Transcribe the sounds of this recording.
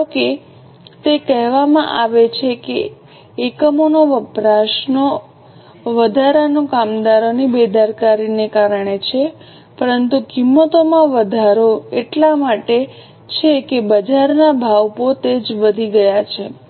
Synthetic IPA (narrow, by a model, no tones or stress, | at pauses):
oke | t̪ekɛɦʋamã̰ʔaʋet͡ʃʰekeː | kəmonoʋəpɾaʃno | ʋəd̪ʱaɾanokamd̪aɾonibed̪ʱaɾkaɾinekaɾəɳet͡ʃʰe | pəɾənt̪ukimːət̪omãʋəd̪ʱaɾoeʈlamaʈe | t͡ʃʰekebəd͡ʒaɾnabʱaʋpot̪ed͡ʒʋəd̪ʱiɡəjat͡ʃʰe